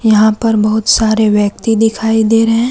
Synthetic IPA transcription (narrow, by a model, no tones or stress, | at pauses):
jɐɦãpɐɾbɐɦʊt̪saːɾeʋjɐk̚t̪id̪ɪkʰaːid̪eːɾɐɦɛ̃ː